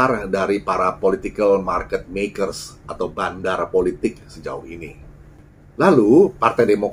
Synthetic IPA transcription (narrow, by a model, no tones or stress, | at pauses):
ardaɾipaɾapolit̪ikəlmarkət̪̚mekərsʔat̪awbandarpolit̪ɪk̚səd͡ʒa̰uhini | lalupart̪ajdemok